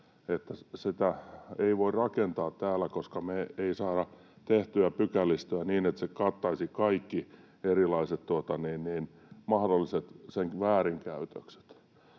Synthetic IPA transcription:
et̪ːæsit̪æeiʋoirrɑkent̪ɑːt̪tæːlˑækoskɑmeeisɑːɾɑ | t̪eht̪yæpykælːˑist̪yæniːnet̪sekɑt̪ːɑisikɑikːi | erilɑiset̪t̪uot̪ɑniːnniːn | mɑhdolːiset̪seŋʋæːriŋkæyt̪økse̥t̪

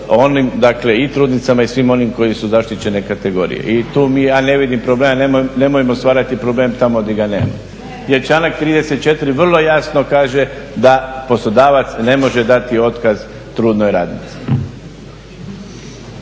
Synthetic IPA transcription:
o̞nimd̪akle̞it̪ɾuːd̪nit̪samaisʋimo̞nimko̞jisuzaʃt̪it͡ɕe̞nekat̪e̞ɡo̞̰ːɾḭjḛʔit̪uːmiːjaːne̞ʋid̪impɾoblemanemne̞mojimost̪ʋaːɾat̪ipɾo̞ble̞ːmt̪amod̪iɡanḛːma̰ | jet͡ʃanak̚t̪ɾiːd̪e̞se̞t̪̚t͡ʃe̞t̪ɾiʋr̩lˠo̞jasno̞kaːʒe̞d̪apo̞slˠo̞d̪aːʋat̪sne̞mo̞ʒe̞d̪at̪io̞t̪kaz | t̪ɾuːd̪no̞jɾaːd̪nit̪si̥

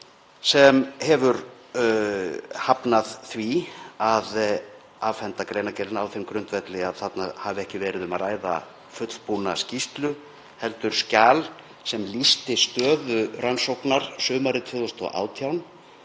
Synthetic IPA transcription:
sɛmhɛvʏɾ | hapnaðθviað | aːvfɛnt̪akɾeːjnacɛɾɪnawθɪmkɾʏnt̪vɛt̪lɪaðθat̪nahaːvɪɛhcɪvɛːɾɪðʏmaðraːjða̰ | fʏt̪l̥puna̰scist̪lʏ | hɛlt̪ʏɾ̥scaːl | sɛmlist̪ɪst̪œːðʏransowknaɾ̥sʏːmaɾɪt̪ʰvʏðɔst̪ɔ̰a̰ːwt̪ʰjawn

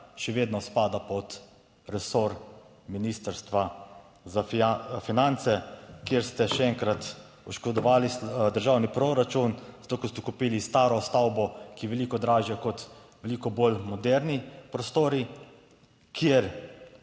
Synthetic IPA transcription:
ʃɛʋeːd̪nɔspaːd̪apɔt̪ | ɾɛsoɾ | minist̪əɾst̪ʋa | zafinant̪sɛkjeːɾst̪ɛʃɛɛŋkɾat̪ | uʃkɔd̪ɔʋaːlisd̪əɾʒawnipɾoɾat͡ʃunzat̪oːkɔst̪ɛkupiːlist̪aːɾɔst̪awbɔkiʋɛliːkɔd̪ɾaːʒjɛkɔt̪ | ʋɛliːkɔbolmɔd̪ɛɾnipɾɔst̪oːɾi | kʰjeɾ

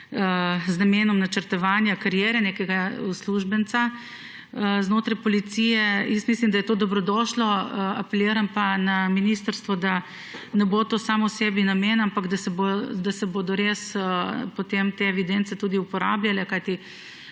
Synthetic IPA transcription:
əznameːnɔmnɐt͡ʃəɾt̪ɔʋaːnjakaɾjɛːɾɛneːkɛɡausluʒbənt̪sa | əznoːt̪ɾajpɔlit̪siːjɛjəst̪mislimd̪ajɛt̪oːd̪ɔbɾɔd̪ɔːʃlɔəapɛljeːɾanpanaminist̪əɾst̪ʋɔd̪a | nɛboːt̪oːsaːmɔwsebinameːnampaɡd̪asɛbd̪asɛboːd̪ɔɾesəpot̪emt̪eɛʋid̪ent̪sɛt̪uːd̪iupɔɾa̰ːbljalɛkajt̪i

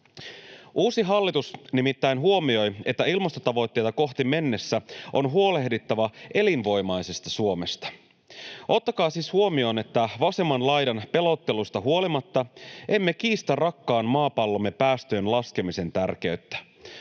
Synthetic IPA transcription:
ʔuːsiɦɑlːit̪usnimit̪ːæjnɦuo̞mio̞je̞t̪ːæilmɑst̪o̞t̪ɑʋo̞jt̪ːe̞jt̪ɑko̞xt̪ime̞nːe̞sːæʔo̞̰nɦuo̞le̞hdit̪ːæʋɑe̞linʋo̞jmɑjse̞st̪ɑsuo̞me̞st̪ɑ̥ | ʔo̞t̪ːɑkɑːsishuo̞mio̞ne̞t̪ːæʋɑse̞mːɑnlɑjdɑnpe̞lo̞t̪ːe̞lust̪ɑɦuo̞limɑt̪ːɑʔe̞mːe̞kiːst̪ærrɑkːɑːnmɑːpɑlːo̞mːe̞pæːst̪øːnlɑske̞mise̞nt̪ærk̟e̞yɥt̪ːæ̥

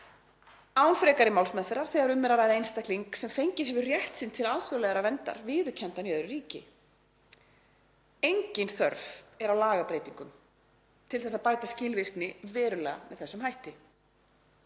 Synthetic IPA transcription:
aːwnfɾɛːkaɾɪmawlsmɛðfɛɾaɾ̥θɛːɣaɾʏmːɛɾaɾaːjðɪjnst̪ak̪liŋksɛmfejɲcɪðɦɛvʏrjɛht̪sɪnt̪ʰɪlaðθœlɛɣaɾavɛnt̪a̰ɾvɪːðʏcʰɛnt̪anjœðɾʏɾiːcɪ | ejɲcɪnθœ̰ɾvɛɾawlaːɣapɾeːjt̪iŋkʏm | t̪ʰɪlθɛsaðpaːjt̪ascɪːlvɪr̥knɪvɛːɾʏlɛːɣa̰mɛðθɛsːʏmhajht̪ɪ

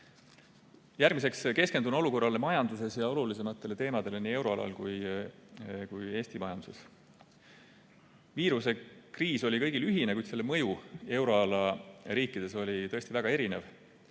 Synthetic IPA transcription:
jærɡmise̞kske̞ske̞nd̪uno̞luko̞rːɑlemɑjɑnd̪̥use̞sjɑo̞lulis̬e̞mɑt̪ˑːe̞le̞t̪e̞ːmɑd̪̥e̞leniːe̞wɾo̞ɑ̰lɑ̰lkuj | kuje̞ːst̪imɑjɑnd̪uses | viːɾuse̞kriːso̞lʲikɤjɡ̥ilyɦine̞kujd̪se̞lːemɤ̞jue̞wɾo̞ɑlɑɾiːkːˑid̪̥e̞so̞lʲit̪ɤest̪ivæɡ̥ɑe̞ɾine̞v

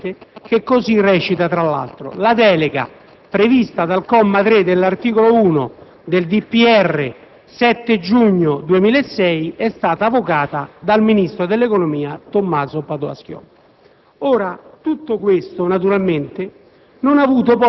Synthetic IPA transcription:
t̪ek̟ekːozirːɛːt͡ʃit̪at̪ɾalːa̰lt̪ɾo̰lad̪ɛːleɡa̰ | pɾevist̪ad̪alkɔmːat̪ɾed̪elːart̪iːkolouːno | d̪eld̪ipːiɛrːḛ | sɛt̪ːed͡ʒuɲːod̪uemiːlaesːɛjɛst̪aːt̪aːvokaːt̪ad̪alminist̪ɾod̪elːekonomiːat̪omːaːzopad̪oa̰sk̟jɔ̰ | oːɾat̪ut̪ːokwest̪onat̪̬uɾalment̪ɪ | nonavuːt̪̬op̬ɔ

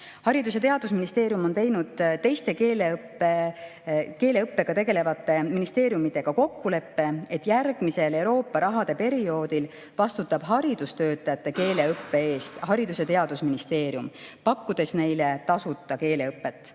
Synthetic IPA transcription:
hɑɾid̪us̬e̞t̪e̞ɑd̪̥usminist̪e̞ːɾjumo̞nt̪e̞jnud̪̥t̪e̞jst̪e̞kelepːe | ke̞ːle̞ɯpːe̞ɡ̥ɑt̪e̞ɡe̞le̞vɑt̪ːˑe̞minist̪e̞ːɾjumit̪e̞ɡ̥ɑko̞kːule̞pːe̞e̞t̪ːjærɡ̥mise̞le̞wɾo̞ːpːɑɾɑɦɑd̪̥e̞pe̞ɾio̞ːd̪̥il | vɑst̪ut̪ːˑɑb̥ɦɑɾid̪ust̪ø̞ːt̪ːˑɑjɑt̪ːˑe̞ke̞ːle̞ɤpːe̞e̞ːst̪hɑɾid̪use̞t̪e̞ɑd̪̥usminist̪e̞ːɾjumpɑkːud̪̥e̞sne̞jle̞t̪ɑsut̪ːˑɑke̞ːle̞ɤpːe̞t̪ːˑ

